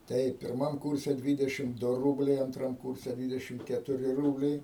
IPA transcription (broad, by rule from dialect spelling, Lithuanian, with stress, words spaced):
ˈtɐɪp pʲɪrˈmɐm ˈkʊrʲsʲɛ ˈdʲʋʲiːdʲɛʃʲɪm ˈdʊ ˈruːbʲlʲɛɪ ɐnˈtrɐm ˈkʊrʲsʲɛ ˈdʲʋʲiːdʲɛʃʲɪm kʲɛtʊˈrʲɪ ˈruːbʲlʲɛɪ